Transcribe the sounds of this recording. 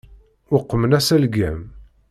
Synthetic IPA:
ʊqːmənæsælɡæm

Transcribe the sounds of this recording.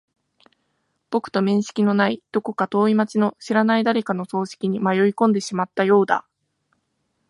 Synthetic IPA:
b̥o̞kɯ̥t̪o̞mẽ̞ɰ̃ɕi̥kʲino̞naid̪̥o̞ko̞kat̪o̞ːimat͡ɕino̞ɕiɾanaid̪aɾe̞kano̞so̞ːɕi̥kʲiɲ̟imajo̞ikõ̞nd̪e̞ɕimat̪ːajo̞ːd̪a̰

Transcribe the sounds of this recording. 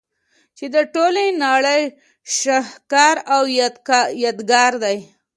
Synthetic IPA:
t͡ʃed̪əʈolenɑɭəj | ʃahkɑɾawjɑd̪ɡɑɾd̪aj

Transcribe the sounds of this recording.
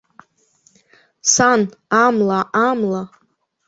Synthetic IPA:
sanamlaʔamla

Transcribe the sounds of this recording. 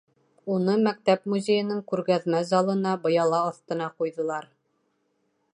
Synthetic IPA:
unɤmæk̚t̪æpmuzʲejɘ̆nɘŋkʉɾɡæðmæzɑlˠɤ̆nɑbɤ̆jɑlˠɑːθt̪ɤ̆nɑqujðɤ̆lˠɑɾ

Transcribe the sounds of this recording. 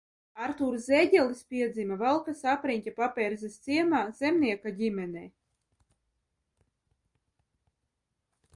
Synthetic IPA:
aɾt̪uːɾzɛɟʲɛlispʲiɛd̪zimavalˠkasapɾiɲʲcʲapapʲɛɾzɛst̪siɛmaːz̥emnʲiɛkaɟʲimʲɛnɛː

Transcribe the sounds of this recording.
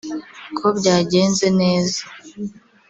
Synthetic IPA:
kʰobɟaːɟe̞ːnzeneːza

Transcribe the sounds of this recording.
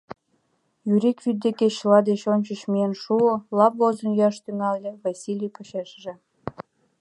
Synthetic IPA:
jyɾikvyd̪̚d̪eket͡ɕlɑd̪et͡ɕonʲt͡ɕət͡ɕmienʃuolɑpɣozənjɑʃt̪yŋɑlʲːĕvɑsʲilʲijpoɕeʃʒĕ

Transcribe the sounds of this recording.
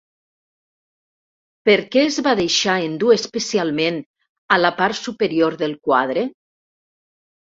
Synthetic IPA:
peɾkɛːzβaðeʃaend̪uespesialˠmen | alapaɾsupeɾioɾðelˠkwað̞ɾe

